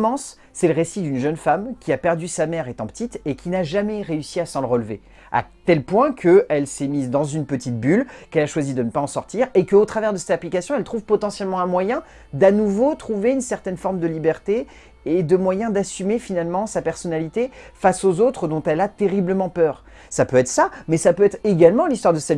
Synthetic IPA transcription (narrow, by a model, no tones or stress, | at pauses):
mɑ̃sː | ɛləʁesid̪ynʒœnfamkʲiapɛʁd̪ysamɛʁet̪ɑ̃pə̥t̪it̪ekʲʰinaʒamɛʁeysiasɑ̃ləʁəlve | a̰t̪ɛlpwɛ̃kʰəɛlsɛmizd̪ɑ̃zynpət̪it̪̚bylkɛlaʃwazid̪ənəpaɑ̃sɔʁt̪iʁekəot̪χavɛʁd̪əsɛt̪aplikasjɔ̃ɛlt̪χuvpɔt̪ɑ̃sjɛlmɑ̃ɛ̃mwajɛ̃ | d̪anuvot̪χuveynsɛʁt̪ɛnfɔʁmd̪əlibɛʁt̪e | ed̪əmwajɛ̃d̪asymefinalmɑ̃sapɛʁsɔnalit̪efasozot̪χəd̪ɔ̃t̪ɛlat̪eʁibləmɑ̃pœːʁ | sapøɛt̪χə̥samɛsapøɛt̪χeɡalmɑ̃list̪waʁd̪əsɛ